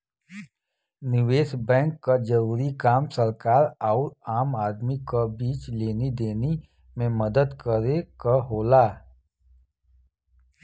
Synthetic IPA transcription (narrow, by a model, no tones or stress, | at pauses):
nɪʋeːsbɛ̃ːŋkːad͡ʒəɾuːɾikaːmsəɾkaːɾaːɾaːmaːd̪mikabiːt͡ʃleːned̪eːne | mẽməd̪əd̪kəɾekaɦoːlaː